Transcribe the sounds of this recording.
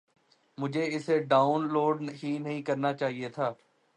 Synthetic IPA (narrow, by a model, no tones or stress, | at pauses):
mʊd͡ʒʱeɪseɖaːʊnloːɖɦinɐɦĩkəɾnaːt͡ʃaːɦiet̪ʰaː